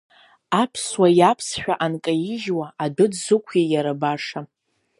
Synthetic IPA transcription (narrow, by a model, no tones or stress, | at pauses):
apʰswajapʰsħʷᶣaʔankʼajɪʒwaʔadʊdzɨkʷʰejaɾabaʂa